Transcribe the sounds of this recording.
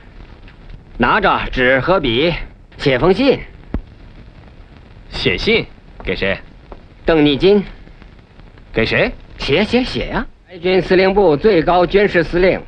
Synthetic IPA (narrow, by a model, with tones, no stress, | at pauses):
na˧˥ʈ͡ʂə˨˩ʈ͡ʂɻ̩˨˩˥xɤ˧˥pi˨˩˦ | ɕjɛ˨˩fɤ˥ŋɕi˥˧˩n | ɕjɛ̰˨˩ɕi˥˩nke˨˩ɪʂe˧˥ɪ | t̪ɤ˥˧ŋni˥˩t͡ɕi˥n | ke˨˩ɪʂe˧˥ɪɕjɛ˧˥ɕjɛ˧˥ɕjɛ̰˨˩jɐ˦pa˧˥ɪt͡ɕy˥nsɹ̩˥li˥˧ŋpu˥˧t͡swe˥˩ɪkɑ˥ʊt͡ɕy˥nʂɻ̩˥˧sɹ̩˥li˥˩ŋ